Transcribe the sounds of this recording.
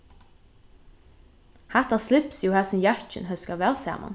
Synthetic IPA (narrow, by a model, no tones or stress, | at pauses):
hæt̪əslɪpsjuːhæːsɔmjɑt͡ʃə̰nhœskɑʋeːlsæ̰ːmʔə̰n